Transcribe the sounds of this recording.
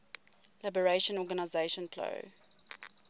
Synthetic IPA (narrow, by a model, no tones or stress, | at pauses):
labəɹeʃə̃nɔɡanaɪzeʃə̃npʰlo̰ʊ